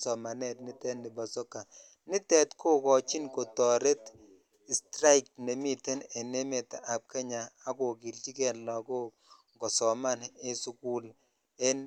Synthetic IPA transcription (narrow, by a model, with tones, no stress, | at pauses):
sɔ˨ma˨nɛ˦t̚ni˦tɛ˦nːi˨ba˨so˦ka˨ | nɪ˦tɛ˦tkʰo˦kɔ˨t͡ʃi˦nko˨tɔ˨ɾe˦t | i˨stɾa˦jk̚tne˨mi˦te˦ne˨ne˦me˨ta˨ʔa˨p̚ke˦ɲaː˨ko˨ki˨lt͡ʃi˦kɛ˦˨lːɔ˨ko˦ | ŋɡɔ˨sɔ˨ma˦ne˦su˦ku˦l | e˦n